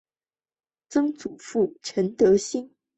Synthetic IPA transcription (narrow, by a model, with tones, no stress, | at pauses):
t͡sɤ˥ŋt͡su˨˩fu˥˩ʈ͡ʂʰə˧˥nt̪ɤ˧˥ɕi˥ŋ